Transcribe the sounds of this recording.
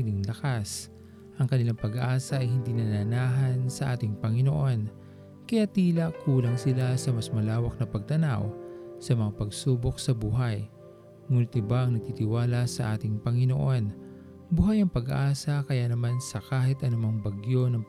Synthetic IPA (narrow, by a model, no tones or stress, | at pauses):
lɪŋlɐkas | ʔɐŋkɐnɪlaŋpɐɡʔaːsɐʔɐjhɪnd̪inɐnɐnaːɦɐnsɐʔaːt̪ɪŋpɐŋɪnoʔo̞n | kɐjat̪iːlɐkuːlɐŋsɪlasɐmɐsmɐlaːwɐk̚nɐpɐɡ̚t̪ɐna̰wsɐmɐŋapɐɡsuːbo̞k̚sɐbuːɦɐj | muːnɪt̪ɪbaʔɐŋnɐɡ̚t̪iːt̪ɪwaːlasɐʔaːt̪ɪŋpɐŋɪnoʔo̞n | buhajɐŋpɐɡɐʔaːsɐkɐjanɐmansɐkaːɦɪt̪ʔɐnʊmɐŋbɐɡjo̞nɐŋ